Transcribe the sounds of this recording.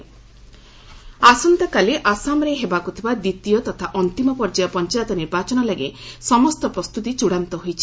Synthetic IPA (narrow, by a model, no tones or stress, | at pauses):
asɔnt̪ɔkaleʔasamɔɾeɦebakut̪ʰibad̪it̪ijɔt̪ɔt̪ʰaʔɔnt̪imɔpɔɾd͡ʒajɔpɔnt͡ʃajɔt̪ɔniɾbat͡ʃɔnɔlaɡesɔmɔst̪ɔpɾɔst̪ut̪it͡ʃuɽant̪ɔɦojt͡ʃʰi̥